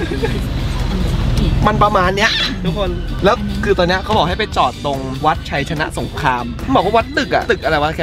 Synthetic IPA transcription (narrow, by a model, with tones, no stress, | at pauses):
ma˧npɾa˧maː˧nːi˦˥ɐʔt̪ʰu˦˥kʰo˧nlɛː˦˥wkʰɯː˧t̪ɔː˧nːi˦˥ɐkʰa˦˥bɔː˨˩kha˥˩pa˧jt͡ɕɔː˨˩t̪̚lo˧ŋwa˦˥t̪̚t͡ɕʰa˧jt͡ɕʰa˧na̰˦˥ʔso˩˦ŋkʰɾaː˧m˩bɔː˨˩k̚wa˥˩wa˦˥t̪̚t̪ɯ˨˩k̚ʔa̰˩ʔ̪ɯ˨˩k̚ʔa˧ɾa˧jwa˦˥kʰː